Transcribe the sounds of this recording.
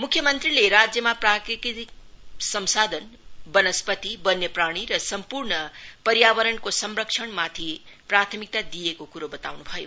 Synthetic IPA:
mukʰjʌmʌnt̪rileɾad͡zjʌmaprakɾikit̪ik̚sʌmsad̪ʱʌnbʌnʌspʌt̪ibʌnjʌpraɽ̃iɾʌsʌmpurɳʌpʌɾjabʌɾʌnkosʌmrʌkt͡ʃʰʌɳmat̪ʰiprat̪ʰʌmik̚t̪ad̪ijekokuɾobʌt̪awnubʱʌjo̰

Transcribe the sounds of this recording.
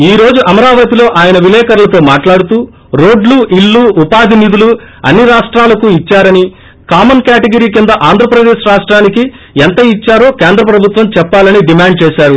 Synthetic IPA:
iːɾo̞ːd͡ʒuʔɐmɐɾaːʋɐt̪ilo̞ːʔaːjɐnɐʋilɛːkɐɾulɐt̪o̞ːmaːʈlaːɽut̪uː | ɾoːɖluʔiɭːuːupaːd̪ʱinid̪uluɐ̰nːiɾaːʂʈɾaːlɐkuit͡ʃːaːɾɐni | kaːmɐnkaːʈɐɡɐɾiːkind̪ɐʔaːnd̪ʱɾɐpɾɐd̪ɛːʃɾaːʂʈɾaːniki | ɛnt̪ɐit͡ʃːaːɾo̞ːkeːnd̪ɾɐpɾɐbʱut̪ʋɐmt͡ʃɛpːaːlɐniɖimaːɳɖ̚t͡ʃɛːʃaːɾu

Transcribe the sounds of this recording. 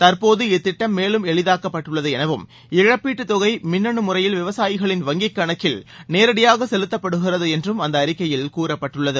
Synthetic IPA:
t̪ɐɾpoːðɯɪt̪ːɪʈːɐmːeːlɯmɛɭɪðaːkːɐpːɐʈːɯɭːɐðɯɛnɐʋɯm | ɪɻɐpːiːʈːɯt̪ːɔɣɐɪmɪnːɐɳɯmʊrɐjɪlʋɪʋɐsaːjɪɣɐɭɪnʋɐŋɡɪkːɐɳɐkːɪlneːɾɐɽɪjaːɣɐsɛlɯt̪ːɐpːɐɽɯɣɪrɐðɯɛndrɯmɐnd̪ɐːɾɪkːɐjɪlkuːɾɐpːɐʈːɯɭːɐðɯ

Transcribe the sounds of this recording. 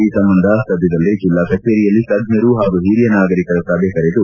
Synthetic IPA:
iːsɐmbɐnd̪ʱɐst̪ɐd̪ːɐd̪ɐlːed͡ʒilːɐkɐk̚ʈːeːɾijɐlːit̪ɐɡɲɐɾuɦaːɡuɦiːɾijɐnaːɡɐɾikɐɾɐt̪ːɐbeːkɐɾed̪u

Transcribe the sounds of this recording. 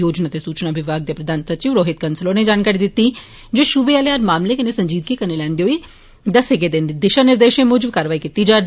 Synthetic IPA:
joːd͡ʒnaːt̪esuːt͡ʃnaːʋɪʋaːɡ̚d̪epɾəd̪ʱaːnsəɾt͡ʃiːʋɾoːɦɪt̪̚kənsəloːned͡ʒaːnkaːɾiːd̪ɪt̪ːiː | d͡ʒoːʃʊbeaːlead͡ʒmaːmlekənesəɲd͡ʒiːd̪̚kikənelɛ̃ːnd̪eɦoːiː | d̪əsɦɪɡed̪end̪iːd̪ɪʃanɪɾd̪eːʃẽmʊːd͡ʒəbkaːɾʋaːikit̪ːiːd͡ʒaː

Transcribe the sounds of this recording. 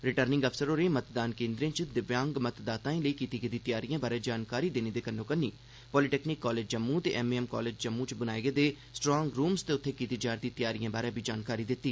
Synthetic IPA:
ɾɪʈəɾnɪ̃ŋɡəpʰsəɾoːɾẽːmət̪d̪aːnkẽːnd̪ɾẽːt͡ʃd̪ɪʋjãːŋɡmət̪d̪aːt̪ãːĩːləiːkiːt̪iːɡed̪iːt̪jaːɾijãːbaːɾeːd͡ʒaːnkaːɾiːd̪eːneːd̪eːkənːõːkənːiː | pɔːliʈɛːkniːkːɔːleːd͡ʒd͡ʒəmːũt̪ḛːʔɛːmeːɛːmkɔ̰ːleːd͡ʒd͡ʒəmːũːt͡ʃbənaːeːɡeːd̪eː | sʈɾɔːŋɡɾuːmst̪eːʊt̪ʰːeːkiːt̪iːd͡ʒaːɾd̪iːt̪ɪjaːɾijãːbaːɾeːbʱiːd͡ʒaːnkaːɾiːd̪ɪt̪ːiː

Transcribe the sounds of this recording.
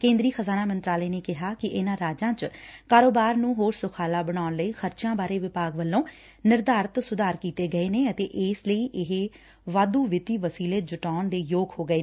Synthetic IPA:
kẽːnd̪ɾiːxəzaːnaːmənt̪ɾaːləeːneːkɪɦaːkɪʔɪnãːɾaːd͡ʒãːt͡ʃkaːɾoːbaːɾnũːɦoːɾsʊkʰaːlaːbəɽ̃aːʊnləiːxʰəɾt͡ʃjãːbaːɾeːʋɪpaːɡʋəlːõː | nɪɾd̪aːɾət̪sʊd̪aːɾkiːt̪eːɡəeːneːət̪eːʔɪːsləiːʔɪɦe | ʋaːd̪uːʋɪt̪iːʋəsiːleːd͡ʒʊʈaːɳd̪eːjoːɡhoːɡəeː

